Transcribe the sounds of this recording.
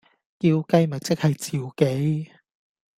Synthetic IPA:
kiː˧wkɐ˥jmɐ˨˩t͡sɪ˥k̚hɐ˨jt͡siː˨wke˨˥j

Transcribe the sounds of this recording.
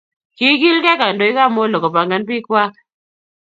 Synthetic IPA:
ki˦ki˦lkɛ˦ka˨ndo˨i˦ka˦˨mo˦lo˨ko˨pa˨ŋɡa˦npi˦kwa˦k̚

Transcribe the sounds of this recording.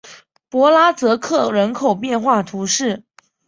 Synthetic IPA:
pwɔ˧˥la˥t͡sɤ˧˥kʰɤ˥˩ɻə˧˥nkʰo˨˩ʊpjɛ˥˧nxwa˥˩t̪ʰu˧˥ʂɻ̩˥˩

